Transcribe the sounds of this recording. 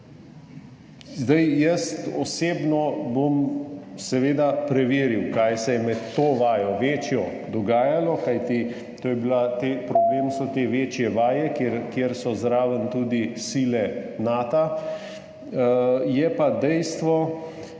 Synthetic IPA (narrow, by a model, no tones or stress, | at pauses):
zd̪ajjəst̪ɔseːbnɔbomsɛʋeːd̪apɾɛʋeːɾiwkajsɛjɛmɛt̪ːoːʋaːjɔʋeːt͡ʃjɔ | d̪ɔɡaːjalɔkajt̪i | t̪oːjɛbilat̪eːpɾɔbleːmsɔt̪eʋeːt͡ʃjɛʋaːjɛkeɾkjeɾsɔzɾaːʋənt̪uːd̪isilɛnaːt̪a | jɛpad̪ɛjst̪ʋɔ